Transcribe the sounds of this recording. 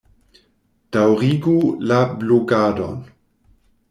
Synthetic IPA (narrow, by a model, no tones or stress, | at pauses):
d̥awʁiɡulabloɡaːdo̰n